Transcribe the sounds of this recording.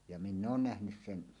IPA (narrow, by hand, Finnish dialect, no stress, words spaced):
jɑ minː oːn næhnys sen